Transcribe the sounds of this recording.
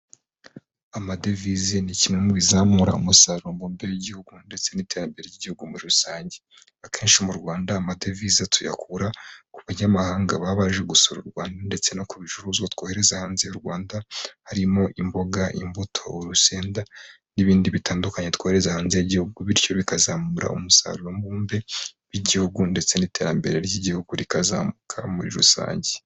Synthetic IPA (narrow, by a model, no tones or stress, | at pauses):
amadevizenicimemuβizaːmuɾa̰umusaɾombombeɾejeɟihuɡunde̞t͡se̞nite̞ɾambeɾejiɟihuɡumuɾiɾusaːɲɟe | akʰe̞ːnʃimuɾɡwaːndaːmade̞vizatʰuja̰kʰuɾakuβaɲamahaːŋɡaβaːβaʒeɡusoɾuɾɡwaːndande̞t͡se̞no̞kuβiʒuɾuzwat̪kohe̞ɾe̞zahaːnzejuɾɡwaːndahaɾimo̞ʔimbo̞ɡaʔḭmbutʰo̞oɾuse̞ːnda | niβiːndiβitaːndukaɲe̞t̪koːheɾezahaːnzejeɟihuɡuβiɾco̞βikazaːmuɾʔa̰umusa̰ːɾuɾo̞mbuːmbe̞β̥jiɟihuɡunde̞t͡se̞nite̞ːɾambe̞ɾe̞ɾɟiɟihuɡuɾikaza̰ːmukʰamuɾḭɾṵsa̰ːɲɟe